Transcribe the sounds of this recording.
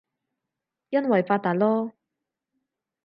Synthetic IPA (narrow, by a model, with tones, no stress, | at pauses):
jɐ˥nwɐ˨˩jfaː˧t̪ːaː˨t̚lɔː˥